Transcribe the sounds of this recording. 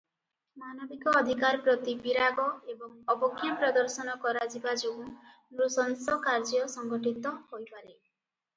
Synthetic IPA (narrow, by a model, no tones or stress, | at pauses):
manɔbikɔːd̪ʱikaɾpɾɔt̪ipiɾaɡɔebɔŋɔbɔkʰːjapɾɔd̪ɔɾsɔnɔkɔɾad͡ʒibad͡ʒuũ | nɾusɔnsɔkaɾd͡ʒɔsɔŋɡɔʈit̪ɔhojpaɾe